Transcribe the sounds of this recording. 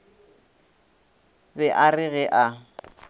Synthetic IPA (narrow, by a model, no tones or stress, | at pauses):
bɛʔarɪɣɛʔa